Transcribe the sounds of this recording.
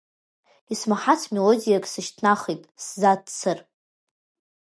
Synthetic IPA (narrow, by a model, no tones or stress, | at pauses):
ismaħat͡sʰmelodijakʼsɨʃtʰnaχitʼszadt͡sʰɨr